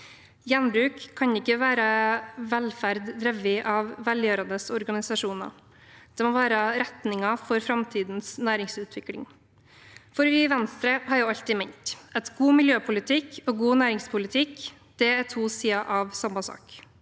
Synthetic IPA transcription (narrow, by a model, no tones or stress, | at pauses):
jɛnbɾʉːkʰːɑnɪkːəʋæːɾəʋɛlfæɾd̪d̪ɾɛʋɪʔɑʋːɛljøːɾɑnd̪əsɔɾɡɑnɪsɑʂuːnɑ̰ | d̪̥ɛmoːʋæːɾəɾɛt̪nɪŋɑfɔɾfɾɑmt̪ʰiːd̪n̩snæːɾɪŋsʉːt̪ʰʋɪklɪ̰ŋ | fɔɾʋɪʋɛnst̪ɾəhɑɾjʊːɑlt̪ɪmɛɲt̪ɛt̪ɡuːmɪljøːpʰʊlɪt̪ʰɪkːoːɡuːnæːɾɪŋspʰʊlɪt̪ʰɪk | d̪̥ɛæt̪ʰuːsiːɑʔɑʋsɑmːɑsɑ̰ːk